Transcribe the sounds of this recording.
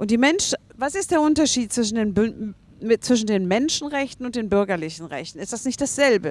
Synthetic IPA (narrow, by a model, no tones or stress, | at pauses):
ʔʊntd̥iːmɛnʃvasɪstd̥eːɐʔʊntɐʃiːt̚t͡sv̥ɪʃ̬n̩deːnb | t͡sv̥ɪʃ̬n̩deːnmɛnʃn̩ʁɛçtn̩ʊntd̥eːnbʏɐɡɐlɪçn̩ʁɛ̰çtn̩ɪstd̥asnɪçt̚d̥asz̥ɛlbə